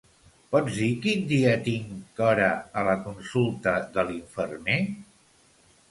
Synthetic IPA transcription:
pɔd͡zðikind̪iət̪iŋkɔɾəələkunsulˠt̪əðəliɱfərme

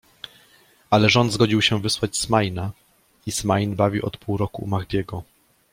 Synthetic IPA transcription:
alɛʐɔnd̪zɡɔd͡ʑiwɕɛvɘswat͡ɕsmajna | ismajnbavʲiʔɔ̰t̪pʰuwɾɔkṵmaɣd̪ʲjɛɡɔ

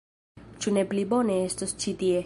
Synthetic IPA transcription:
t͡ʃʰuneplibɔnest̪ɔst͡ʃʰit̪ie

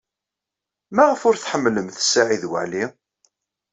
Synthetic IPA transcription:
maʁəfʊɾθħəmːləmθsːaʕiðwə̰ʕli

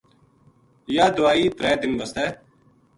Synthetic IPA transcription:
jaːd̪ʊaːiːt̪ɾɛːd̪ɪnbəst̪ɛː

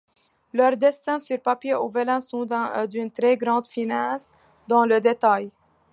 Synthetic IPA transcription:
lœʁd̪ɛst̪ɛ̃syʁpapjeovəlɛ̃sɔ̃d̪ɛ̃d̪ynt̪ʁɛɡʁɑ̃d̪finɑs | d̪ɑ̃ləd̪et̪aj

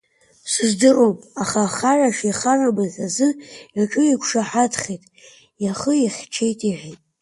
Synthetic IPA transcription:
sɨzdɨromaχaχaʕʷaʂiχarabazazɨaʈ͡ʂʼɨikʷʰʂaħadʰχʲejtʼ | jaχəjaχʲʈ͡ʂʰejtʼiʕᶣʷitʼ

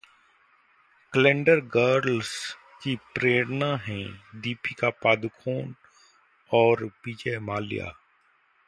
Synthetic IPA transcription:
kəlẽɳɖəɾɡəːɾls | kipɾeːɽnaɦɛ̃d̪iːpikapaːd̪ʊkʰoːn | ɔːɾpiːd͡ʒemaːlɪja̰ː

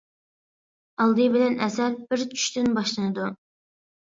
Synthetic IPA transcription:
ɑlˠd̪ɨbɪlɛnɛsɛlbɪɾt͡ʃʰy̥ʃt̪ɪnbɑʃlˠɨnɨd̪u

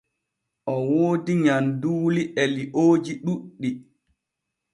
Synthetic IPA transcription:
ʔɔwoːdiɲanduːliʔɛliʔoːd͡ʒiɗuɗːi

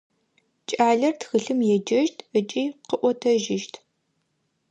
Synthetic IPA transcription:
t͡ʃʼaːɮɐrtxɨɬɨmjɛd͡ʒɐʒtʰət͡ʃʼiːqəʔʷɔtʰɐʒɪʃtʰ

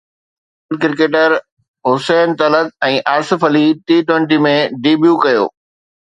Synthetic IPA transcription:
əlkɪɾɪkeːʈəɾ | ɦʊsɛːnt̪ɐlət̪̚ɛ̃ːʔaːsɪ̆fəliʈiːʈwẽɳʈimẽɖiːbjukɐjo̰ː

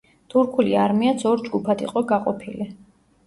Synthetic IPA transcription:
t̪ʰuɾkʰuliaɾmiat̪sʰɔɾd͡ʒɡupʰad̪ḭqʼɔɡaqʼɔpʰili

